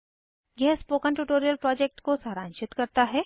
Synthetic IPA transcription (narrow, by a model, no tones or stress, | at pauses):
jɛɦspoːkənʈuːʈoːɾijəlpɾɔːd͡ʒɛk̚ʈkosaːɾãːnʃɪt̪kɐɾt̪aɦɛː